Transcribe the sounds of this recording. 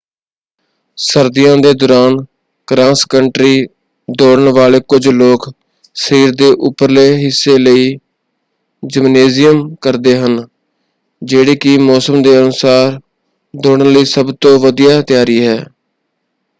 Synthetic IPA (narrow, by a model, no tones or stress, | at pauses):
səɾd̪ɪjãːd̪eːd̪ɔːɾaːn | kɾãːskəɳʈɾiː | d̪oːɽəɳʋaːleːkʊd͡ʒloːk | səɾiːɾd̪eːʔʊpːəɾleːɦɪsːeːləiː | d͡ʒɪmneːzɪjəmkəɾd̪eːɦən | d͡ʒeːɽeːkɪmɔːsəmd̪eːənʊsaːɾ | d̪oːɽənləiːsəbt̪õːʋəd̪ijaːt̪ɪjaːɾiːɦɛː